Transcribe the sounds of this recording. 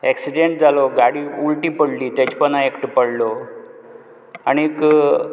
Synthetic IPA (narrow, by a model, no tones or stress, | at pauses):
ɛksiɖeɳʈ̚d͡zʱaloɡaɽiːulʈiːpəɽliːt̪at͡ɕpənaekʈpəɽlo | añik